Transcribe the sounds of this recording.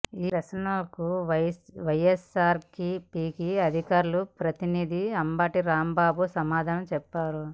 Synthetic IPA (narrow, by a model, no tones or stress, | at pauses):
iːɾɐsnɐlɐkuʋɐʋɐjesaːɾkipiːkiɐd̪ʱikaːɾulupɾɐt̪inid̪ʱiɐmbaːʈiɾaːmbaːbusɐmaːd̪ʱaːnɐmt͡ʃɛpːaːɾu